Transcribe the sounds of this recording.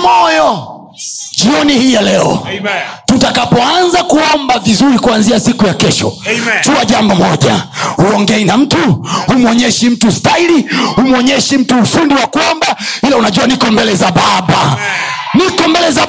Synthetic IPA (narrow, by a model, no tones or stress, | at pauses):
mɔjɔ | ʄiɔnihijalɛɔ̰ | tutakapɔanzakuɔmbavizuɾikuanziasikujakɛʃɔ̰tuaʄambɔmɔʄa̰huɔŋɡɛinam̩tuhumɔɲɛʃim̩tustailihumwɔɲɛʃim̩tuːfundiwakuɔmbailaunaʄuanikɔmbɛlɛzaɓaɓa | nikɔmbɛlɛza